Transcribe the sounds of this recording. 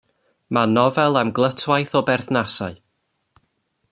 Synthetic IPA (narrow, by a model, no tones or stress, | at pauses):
manɔvɛlˠamɡlˠətʰwajθɔbɛrθnasaɨ